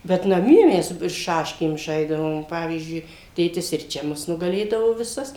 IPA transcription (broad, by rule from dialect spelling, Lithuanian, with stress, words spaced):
bʲɛt nɐˈmʲiɛ ˈmʲɛs ˈʃɑːʃʲkʲeːm ˈʒɐɪzdɐʋoːm ˈpɑːʋʲiːzʲd͡ʒʲʊɪ tʲeːˈtʲɪs ɪr ˈt͡ʃʲɛ ˈmʊs nʊɡɐˈlʲeːdɐʋoː ʋʲɪˈsɐs